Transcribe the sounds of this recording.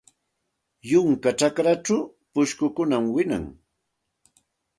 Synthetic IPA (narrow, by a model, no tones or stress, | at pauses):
jʊŋkat͡ʃakɾaʈ͡ʂaw | pʊʃkʊkʊnamwɪna̰ŋ